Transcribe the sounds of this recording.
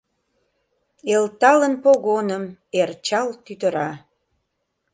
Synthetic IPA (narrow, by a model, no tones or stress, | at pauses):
elt̪ɑlənpoɣonəmert͡ɕɑlt̪yt̪əɾɑ